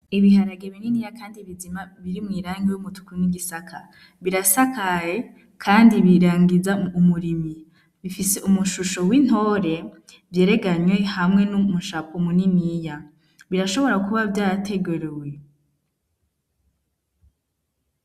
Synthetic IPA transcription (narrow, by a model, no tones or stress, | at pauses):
iβiɦaɾaɡeβininijakʰaːndiβizimaβiɾimŋiːɾaːŋɡejumutu̥kuniɡisakʰa | βiɾasakaje | kʰaːndiβiɾaːŋɡizaumuɾimi | βifise̞ʔumuʃuʃo̞win̥ho̞ːɾe̞ | vje̞ːɾe̞ɡaɲwe̞hamŋe̞numuʃaːkomuninija | βiɾaʃo̞βo̞ɾakuβavjaːtʰe̞ɡuɾewe̞